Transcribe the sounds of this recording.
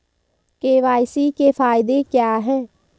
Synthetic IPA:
keːʋaːɪsiːkeːpʰaːɪd̪eːkjaːɦɛː

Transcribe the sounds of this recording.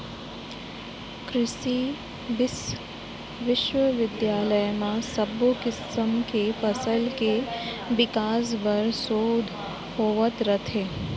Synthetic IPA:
kɾɪʃi | ʋɪs | ʋɪʃʋəʋɪd̪jaːləjmãsɐbokɪsəmkefɐsəlke | ʋɪkaːs̬ʋəɾsoːd̪ʱ | ɦoːʋət̪ɾət̪ʰeː

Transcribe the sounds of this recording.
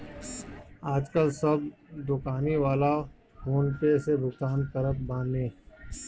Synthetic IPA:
aːd͡ʒkəlsɐbd̪ʊkaːniʋaːla | foːnpesebʱʊɡt̪aːnkɐɾət̪̚bãːnnẽː

